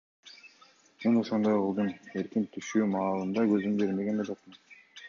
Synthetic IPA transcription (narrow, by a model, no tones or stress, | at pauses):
menoʃond̪ojʁɯlˠd̪ɯme̞ɾkint̪ʰyʃyːmɑːlˠɯnd̪ɑɡø̞zymbe̞ɾme̞ɡe̞nbelot̪mɯn